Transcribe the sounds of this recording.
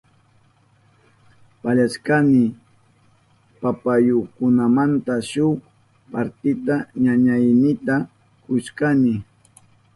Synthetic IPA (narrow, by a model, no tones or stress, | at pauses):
paʎaskanɪ | papajokʊnamant̪aʃʊχ | paɾt̪ɪt̪aɲaɲajnɪt̪a | kʊʃkanɪ